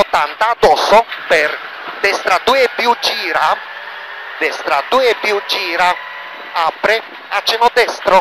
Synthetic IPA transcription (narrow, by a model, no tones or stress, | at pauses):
ot̪ːant̪ad̪ɔsːopɛɾ | d̪ɛst̪ɾad̪uepjud͡ʒiːɾa | d̪ɛst̪ɾad̪upjud͡ʒiːɾa | apɾe | at͡ʃːenɔd̪ɛst̪ɾo